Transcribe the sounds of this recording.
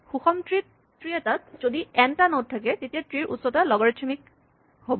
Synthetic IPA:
xuxɔmtɹit | tɹiɛtat̚z̥odiɛntanot̚tʰːak̬ɛtetijatɹiɹʔṵtsɔtalɔɡɔɹɛt͡ʃʰɔmik̚ | hobɔ

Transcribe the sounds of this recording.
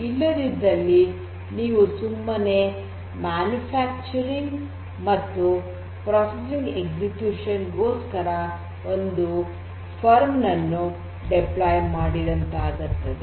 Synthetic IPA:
ilːɐd̪id̪ɐlːi | niːʋusumːɐne | maːnjupʰaːk̚t͡ʃɐɾiŋɡ | mɐt̪ːu | pɾaːsesiŋɡeɡd͡ʒikjuːʂɐnɡo̞ːskɐɾɐ | ond̪u | pʰɐɾmnɐnːu | ɖeplaːjmaːɽid̪ɐnt̪aːɡiɾt̪ɐd̪e

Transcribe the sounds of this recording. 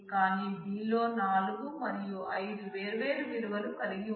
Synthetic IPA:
kaːniːbiːlo̞ːnaːluɡumɐɾijuʔɐjd̪uʋe̞ːɾuʋe̞ːɾuʋiɾuʋɐlukɐliɡi

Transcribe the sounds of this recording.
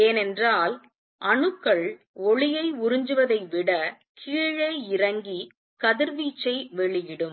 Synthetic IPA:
eːnɛndraːl | ʔɐɳɯkːɐɭ | ɔɭɪjɐɪʊɾɪɲd͡ʒɯʋɐðɐɪʋɪɽɐ | kʰiːɻɐːɪrɐŋɡi | kɐðɪɾʋiːt͡ʃːɐɪʋɛɭɪjɪɽɯm

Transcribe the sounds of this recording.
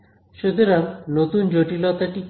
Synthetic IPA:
ʃed̪eɾaɾnot̪und͡ʒoʈilɔt̪aʈi

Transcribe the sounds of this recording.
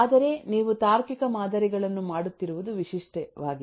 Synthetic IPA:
aːd̪ɐɾe̞niːʋut̪aːɾkikɐmaːd̪ɐɾiɡɐɭɐnːumaːɽut̪ːiɾuʋud̪uʋiʂiʂʈɛʋaːɡi

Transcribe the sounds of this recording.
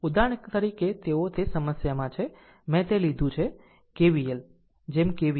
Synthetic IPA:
ud̪aɳ̃kt̪əɾiket̪eot̪ʰesəməsjamãt͡ʃʰe | mɛ̃t̪elid̪ʱũt͡ʃʰe | keʋijel | d͡ʒemkeʋi

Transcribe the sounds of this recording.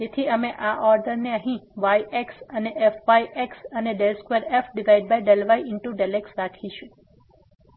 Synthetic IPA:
d͡ʒet̪ʰiəmeʔaʔɔɾɖəɾneəɦĩʋajʔeksəneʔefʋajʔeksəneɖelskʋeɾefɖiʋaiɖ̚bajɖelʋajɪɳʈuɖeleksɾakʰiʃũ

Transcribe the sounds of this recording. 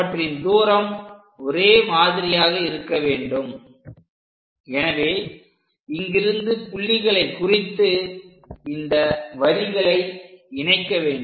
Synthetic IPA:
ɐʈrɪnd̪uːɾɐm | ɔɾeːmaːðɪɾɪjaːɣɐɪɾɯkːɐʋeːɳɖɯm | ɛnɐʋeː | ɪŋɡɪɾɯnd̪ɯpʊɭːɪɣɐɭɐɪkːʊrɪt̪ːɯ | ɪnd̪ɐʋɐɻɪɣɐɭɐɪɪɳɐɪkːɐʋeːɳɖ

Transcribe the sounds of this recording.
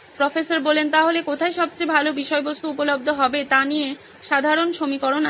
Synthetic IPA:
pɾɔfesaɾbolent̪aɦolekot̪ʰaeʃɔb̚t͡ɕebʱalobiʃɔebost̪uupolob̚d̪ʱoɦɔbet̪anie | ʃad̪ʱaɾonʃomikoɾon

